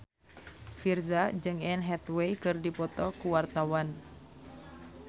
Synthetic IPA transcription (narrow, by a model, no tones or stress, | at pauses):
firzad͡ʒɨŋɛnɦɛt̪wejkɨrdipɔt̪ɔkuwart̪awan